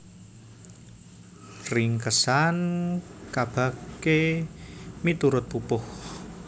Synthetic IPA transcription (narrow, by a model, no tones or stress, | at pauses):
rɪŋkəsankab̥ä̤ke | mit̪uɾʊt̪̚pupʊh